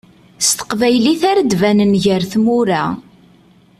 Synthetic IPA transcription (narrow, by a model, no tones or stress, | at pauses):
st̪ə̥qvæjliθæɾəd̪vænənʝəɾθmʊɾa